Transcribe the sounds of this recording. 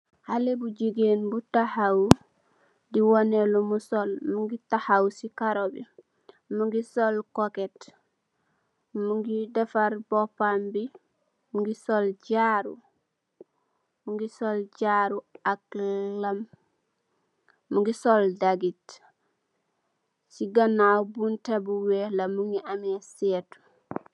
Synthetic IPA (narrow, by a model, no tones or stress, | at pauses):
halebuɟiɡenbutahaw | diwonelomusolmuŋɡitahawsikaɾobi | muŋɡisolkoket | muŋɡidefaɾbopambi | muɡisolɟaɾṵ | muŋɡisolɟaɾuak̚lam | uŋɡisoldaɡit | siɡanawbuntebuwɛlamuŋɡiʔamɛsɛt